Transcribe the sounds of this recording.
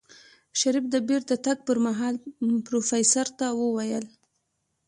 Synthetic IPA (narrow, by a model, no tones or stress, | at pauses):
ʃaɾifd̪əbeɾd̪ət̪aɡ̚pəɾmaɦɑlpɾofajsaɾt̪awəwajəl